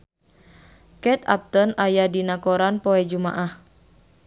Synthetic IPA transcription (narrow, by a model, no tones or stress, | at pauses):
kɛt̪a̰p̚t̪ɔnajadinakɔɾanpɔɛd͡ʒuma̰ʔah